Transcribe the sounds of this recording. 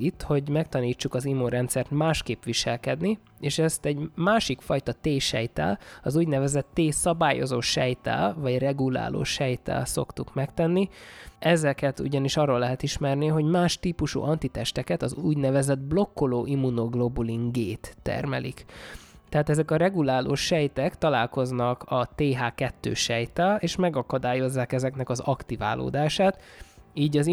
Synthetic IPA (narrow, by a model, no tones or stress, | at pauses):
it̪ːho̞ɟmɛkt̪ɒniːt͡ʃːukɒzimːunɾɛnt̪sɛrt̪maːʃkeːpʋiʃɛlkɛd̪ni | eːʃɛst̪ɛɟmaːʃikfɒjt̪ɒt̪eːʃɛ̰jt̪ɛ̰lɒzuːɟnɛvɛzɛt̪ːeːsɒbaːjo̞̰zoːʃɛjt̪ɛ̰lvɒɟrɛɡula̰ːlo̰ːʃɛjt̪ɛ̰lso̞̰kt̪ukmɛkt̪ɛnːiɛzɛkɛt̪ṵɟɒniʃɒrːoːlːɛɦɛt̪iʃmɛrniɦo̞ɟmaːʃt̪iːpuʃṵʔɒnt̪it̪ɛʃt̪ɛkɛt̪ɒzṵːɟnɛvɛzɛd̪̚blo̞kːoloːʔimːunoɡlobuliŋɡɡeːt̪ːɛ̰rmɛ̰lḭkt̪ɛɦaːt̪ɛzɛkɒɾɛɡulaːlʔo̰ʃːɛjt̪ɛkt̪ɒla̰ːlko̞znɒkʰɒt̪eːɦaːkɛt̪ːø̰ːʃɛjt̪ɛleːʃmɛɡɒkɒd̪aːjo̞zːaːkɛzɛknɛkɒzɒkt̪ivaːlo̰ːd̪aːʃaːt̪iːɟɒz